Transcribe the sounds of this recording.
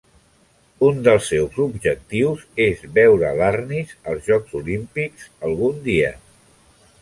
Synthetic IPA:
und̪əlˠsːɛwzubʒək̚t̪iwzezβɛwɾəlarnizəlˠzʒɔkzulimpikzəlˠɣund̪iə̰

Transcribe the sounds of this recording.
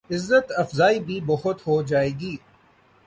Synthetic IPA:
ɪzːət̪ɐfzaːibʱibɐɦʊt̪ɦoːd͡ʒaːeːɡiː

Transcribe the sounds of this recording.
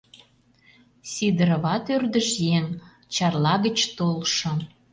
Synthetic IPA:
sʲid̪ə̆ɾə̆βɑt̪ørd̪ə̆ʃjeŋ | t͡ɕɑrlɑɣə̆t͡ɕt̪olʃɤ̆

